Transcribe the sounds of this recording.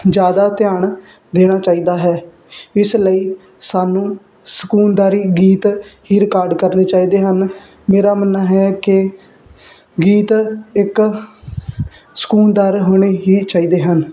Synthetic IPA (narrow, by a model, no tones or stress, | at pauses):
d͡ʒjaːd̪aːt̪ɪjaːɳ | d̪eːɽ̃aːt͡ʃaːiːd̪aːɦɛː | ɪsləiː | saːnũː | sə̥kuːnd̪aːɾiːɡiːt̪ɦiːɾɪkaːɾɖkəɾneːt͡ʃaːiːd̪eːɦən | meːɾaːmənaɦɛːkɪ | ɡiːt̪ɪk | sə̥kuːnd̪aːɾɦoːɽ̃eːɦiːt͡ʃaːiːd̪eːɦən